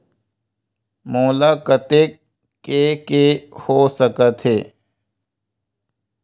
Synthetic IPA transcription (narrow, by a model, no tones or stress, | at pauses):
moːlaːkət̪eː | kekehoːsəkət̪ɦeː